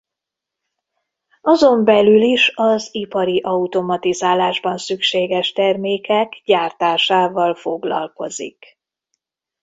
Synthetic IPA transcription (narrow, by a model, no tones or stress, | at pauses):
ɒzo̞mbɛlyliʃɒzipɒɾiʔɒut̪o̞mɒt̪izaːlaːʒbɒnsykʃeːɡɛʃt̪ɛrmeːkɛɡɟaːrt̪aːʃaːvɒlfo̞ɡlɒ̰lko̞̰zḭk